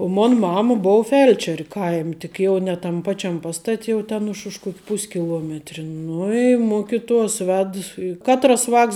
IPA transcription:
oː ˈmoːn ˈmɑːmɐ ˈboːʊ ˈfʲɛlʲt͡ʃʲɛrʲ ˈkɐɪmʲ tʲɪk ˈjɛʊ nʲɛ tɐm ˈpɑːt͡ʃʲɛm ˈpɑːstɐtʲ jɛʊ ˈtʲɛn ʊʃ ʊʃ ˈkuɔkʲ ˈpʊsʲkʲɪlˠuɔmʲɛtʲrʲɪ ˈnʊ ɪ ˈmʊkʲɪtuɔs ˈʋʲɛt ɪ ˈkɑːtrɐs ˈʋɑːks

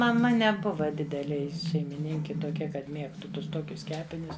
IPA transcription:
mɐˈmɐ nʲɛˈbʊʋɐ ˈdʲɪdʲɛlʲeː ˈjɪ ʃʲɛɪmʲɪˈnʲɪŋʲkʲɪ tuɔˈkʲɛ kɐt ˈmʲiɛktʊ ˈtʊs ˈtoːkʲʊs ˈkʲæːpʲɪnʲʊs

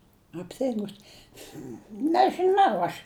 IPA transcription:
ɐpʲˈtʲɪŋɡʊs nʲɛʒɨˈnɐʊ ɐʃ

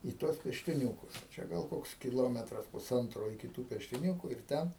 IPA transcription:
ɪ tuɔs pʲɛʃʲtʲɪˈnʲuːkʊs ˈt͡ʃʲɛ ɡɐlˠ ˈkoːks kʲɪˈlˠoːmʲɛtrɐs pʊˈsɐntroː ɪkʲɪ tuː pʲɛʃʲtʲɪˈnʲuːkʊ ɪr ˈtʲɛn

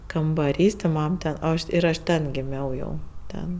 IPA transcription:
kɐmbɐˈrʲiːs tʲɪ ˈmɐm tʲɛn oː ˈɐʃ ɪr ˈɐʃ ˈtʲɛn ɡʲɪˈmʲɛʊ jɛʊ ˈtʲɛn

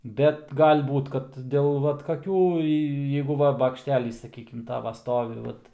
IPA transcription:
ˈbʲɛt ɡɐlʲ ˈbuːt kɐt ˈdʲeːlˠ ˈʋɐt kɐˈkʲuː jeː ˈjɛɪɡʊ ˈʋɐ bɐkʃʲˈtʲæːlʲiːs sɐˈkʲiːkʲɪm ˈtɑːʋɐ ˈstoːʋʲɪ ˈʋɐt

